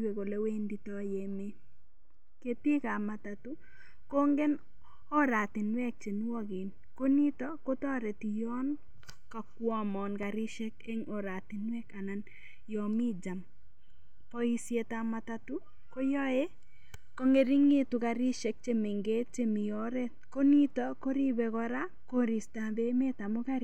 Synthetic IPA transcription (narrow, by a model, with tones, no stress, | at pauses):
we˨ko˨le˦we˦ndi˦tɔ˦je˨me˦ | ke˦ti˦ka˨ma˨tatu˦ | ko˦ŋɡe˦n | ɔ˦ɾa˨t̪ɪ˨nwɛ˦k̚t͡ʃe˨n˦wɔ˦kɪ˨n | ko˦ni˦tɔ˦ko˦tɔ˦ɾe˨ti˨jɔ˦n | ka˨kwɔ˦mɔ˨nka˨ɾɪ˦ʃɛ˦ke˦ŋo˨ɾa˨tɪ˨nwɛ˦ka˨na˨n | jɔ˨mi˦d͡ʒa˨m | pɔ˦i˦sje˨tamata˦tu˦ | ko˦jɔ˦e˦ | ko˦ŋe˨ɾi˦ŋe˦tu˨ka˨ɾi˦ʃɛ˨k̚t͡ʃe˦me˨ŋɡe˦t̚t͡ʃe˦mɪ˨jɔ˦ɾɛ˦t̚ko˦ni˦tɔ˦ko˦ɾi˦bɛ˨kɔɾa˦ | ko˦ɾi˨sta˨be˦me˦ta˨mʊ˦ka˦ɾ